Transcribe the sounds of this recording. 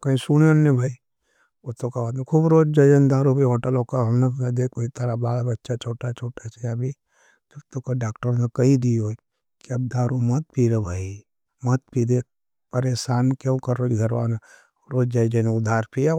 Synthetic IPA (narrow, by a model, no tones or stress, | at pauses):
kɐĩsunənːebʱaːi | ot̪okabaːt̪ẽkʰubɾoːd͡ʒd͡ʒaːd͡ʒend̪aːɾubʱiɦoːʈəloːkaɦɐnaad̪eːkoit̪əɾabaːlabɐtːʃat͡ʃʰoːʈat͡ʃʰoːʈat͡ʃejabʱi | d͡ʒɐbt̪okaɖaːkʈəɾnekɐɦĩd̪io | kiɐb̚d̪aːɾumɐt̪̚piːɾebʱaːi | mɐt̪̚piːd̪e | pɐɾeːsaːnkõkɐɾokiɡʱɐɾʋaːna | ɾoːd͡ʒd͡ʒaːid͡ʒenʊd̪ʱaːɾpija